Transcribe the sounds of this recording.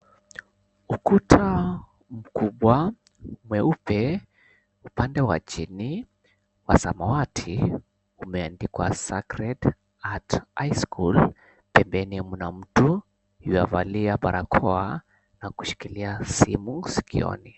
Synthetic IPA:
ukutʰa | m̩kuɓwa | mwɛupɛ | upandɛwa̰t͡ʃini | wa̰samawatʰi | umɛandikwasakɾɛd | atajskul | pɛmbɛnimunam̩tu | jua̰valiaɓaɾʔakʰɔa | naku̥ʃi̥kiliasimusi̥kḭɔ̰ni

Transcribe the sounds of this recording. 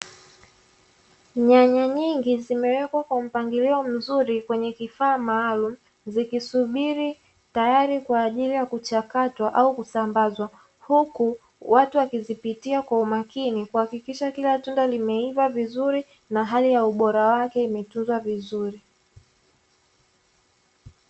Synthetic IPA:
ɲaɲaɲiŋɡizimɛwɛkwakwam̩paŋɡiliɔm̩zuɾikwɛɲɛkifaːmaːlum̩ | zikisuɓiɾi | tajaɾikwaːʄilijakut͡ʃakatwaʔaukusambazwa | huku | watuwakizipitiakwaumakinikuhakikiʃakilatundalimɛivavizuɾi | naɦalijauɓɔɾawakɛimɛtunzwavizuɾi

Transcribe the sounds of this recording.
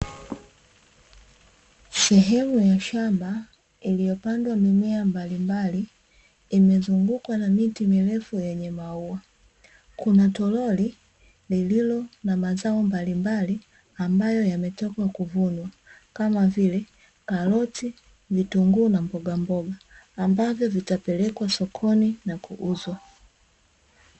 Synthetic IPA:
sɛɦɛmujaʃamba | ilijɔpandwamimɛambalimbaliː | mɛzuŋɡukwanamitimilɛfujɛɲɛmauwa | kunatɔlɔli | lililɔnamazaɔmbalimbali | ambajɔjamɛtɔkwakuvunwa | kamavilɛ | kalɔti | vituŋɡuːnambɔɡambɔɡaːmbavjɔvitapɛlɛkwasɔkʰɔninakuʔuzwa

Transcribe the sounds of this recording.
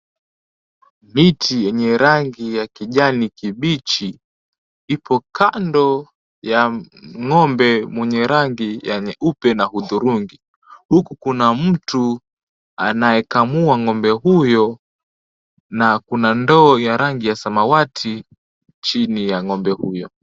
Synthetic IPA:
mitʰijɛɲɛɾaŋɡijakiʄanikiɓit͡ʃi | ipʰɔkʰandɔ | ja | ŋɔmbɛmwɛɲɛɾaŋɡijaɲɛʔupɛnahuðuɾuŋɡi | hukukunam̩tu | a̰najɛkamuaŋɔmbɛhujɔ | nakunandɔːjaɾaŋɡijasamawatʰi | t͡ʃinijaŋɔmbɛhujɔ

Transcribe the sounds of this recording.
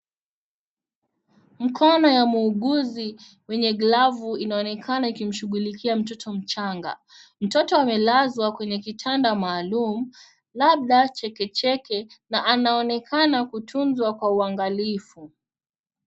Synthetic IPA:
m̩kʰɔnɔjamuːɠuzi | wɛɲɛɡlavuinaɔnɛkʰanaikim̩ʃuɠulikʰiam̩tɔtʰɔm̩t͡ʃaŋɡa̰ | m̩tɔtɔamɛlazwakwɛɲɛkitʰandamaːlum̩ | laɓ̚ɗat͡ʃɛkɛt͡ʃɛkɛnaʔanaɔnɛkʰanakutʰunzwakwauaŋɡalifu

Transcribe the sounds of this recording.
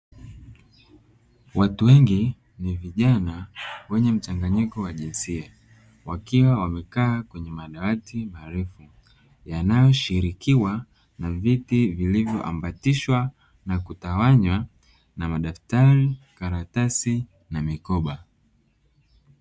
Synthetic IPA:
watuwɛŋɡi | niviʄanawɛɲɛm̩t͡ʃaŋɡaɲikɔwaʄinsia | wakiwawamɛkaːkwɛɲɛmaɗawatimaɾɛfu | janajɔʃiɾikiwa | navitivilivjɔʔa̰mbatiʃwa | nakutawaɲwa | namaɗaftaɾikaɾatasi | namikɔɓa

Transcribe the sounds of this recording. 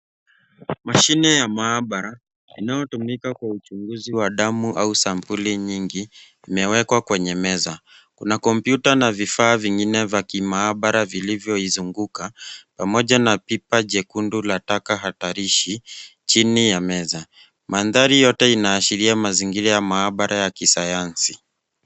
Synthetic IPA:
maʃinɛjamaːɓaɾa | ḭnajɔtumikakwaut͡ʃuŋɡuziwaɗamuʔausampuliɲiŋɡiː | mɛwɛkwakwɛɲɛmɛza | kunakɔmpjutanavifaːviŋɡinɛvakimaːɓaɾavilivjɔizuŋɡukapamɔʄanapipaʄɛkundulatakaɦataɾiʃit͡ʃinijamɛza | manðaɾijɔtɛinaːʃiɾiamaziŋɡiɾajamaːɓaɾʔajakisajansi

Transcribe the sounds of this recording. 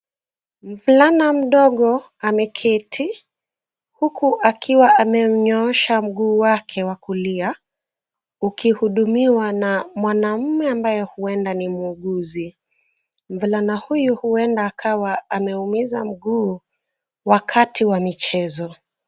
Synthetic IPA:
m̩vulanam̩ɗɔɠɔ | amɛkʰitʰi | hukʰuʔakiwaʔamɛɲɔɔʃam̩ɠuːwakʰɛwakulia | ukihuɗumiwanamwanam̩mɛambajɛhuɛndanimuːɠuzi | m̩vulanahujuhuɛndaːkʰawaamɛumizam̩ɠuː | wakʰatʰiwamit͡ʃɛzɔ

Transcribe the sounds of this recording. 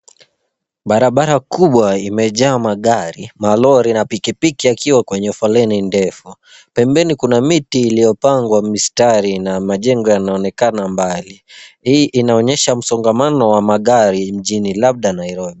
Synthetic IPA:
ɓaɾaɓaɾakuɓwaimɛʄaːmaɠaɾimalɔɾinapikipikiakiwakwɛɲɛufɔlɛnindɛfu | pɛmbɛnikunamitiːlijɔpaŋɡwamistaɾinamaʄɛŋɡɔjanaɔnɛkanambalihiːʔinaɔɲɛʃam̩sɔŋɡamanɔwamaɠaɾim̩ʄinilab̚ɗanajɾɔɓi

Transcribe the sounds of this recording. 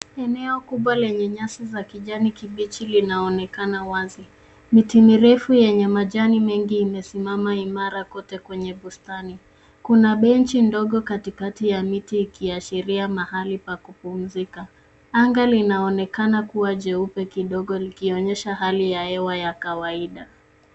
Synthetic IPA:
ɛnɛɔkuɓwalɛɲɛɲasizakiʄanikiɓit͡ʃilinaɔnɛkanawazi | mitimiɾɛfujɛɲɛmaʄanimɛŋɡiːmɛsimamaimaɾakɔtɛkwɛɲɛɓustani | kunaɓɛnt͡ʃindɔɠɔkatikatijamitiːkiaʃiɾiamahalipakupum̩zika | aŋɡalinaɔnɛkanakuwaʄɛupɛkiɗɔɠɔlikiɔɲɛʃaɦalijaɛwajakawaiɗa

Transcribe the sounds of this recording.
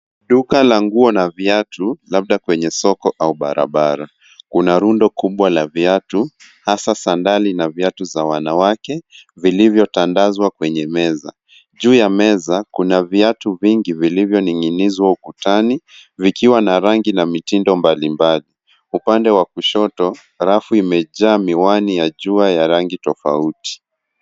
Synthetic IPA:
ɗukalaŋɡuɔnaviatʰulaɓ̚ɗakwɛɲɛsɔkɔʔauɓa̰ɾa̰ɓaɾa | kunaɾundɔkʰuɓwalaviatu | hasasandalinaviatuzawanawakɛvilivjɔtandazwakwɛɲɛmɛza̰ | ʄuːjamɛzakunaviatuviŋɡivilivjɔniŋinizwaukutanivikiwanaɾaŋɡinamitindɔmbalimbali | upandɛwakuʃɔtɔ | ɾafuimɛʄaːmiwanijaʄuajaɾaŋɡitɔfa̰uti̥

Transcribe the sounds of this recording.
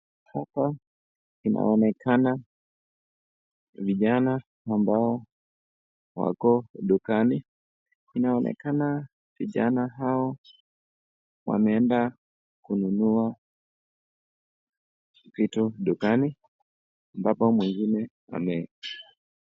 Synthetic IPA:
hapa | inʔa̰ɔnɛkʰana | viʄanaː | mbaɔ | wa̰kɔɗukani | inaɔnʔɛ̰kana | viʄa̰naɦaɔ | wa̰mɛɛnda | kununua | kitɔɗukani | mbapamwɛŋɡinɛ | a̰mɛ

